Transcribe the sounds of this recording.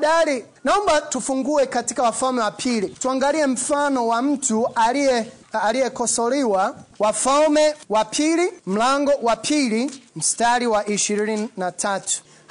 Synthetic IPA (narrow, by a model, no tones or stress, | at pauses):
ɗaɾi | naɔmbatufuŋɡuɛkatikawafalmɛwapʰilituaŋɡaliɛm̩fanɔwam̩tʰuaɛalijɛkɔsɔliwawafalmɛwapʰilim̩laŋɡɔwapʰilim̩staliwaʔiʃiɾinininatʰatʰu̥